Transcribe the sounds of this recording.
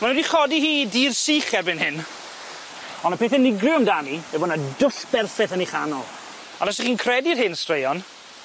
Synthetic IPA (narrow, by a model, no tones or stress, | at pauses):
manwɛdiχɔdiɦiːdiːrsiːχɛrbɪnhɪn | ɔnəpʰeːθɛnɪɡrɪɔmdanimɛboːdnadʊɬb̥ɛrfɛθəniχanɔlˠ | ɔnasiχiːnkʰrɛdirhɪnstrejɔn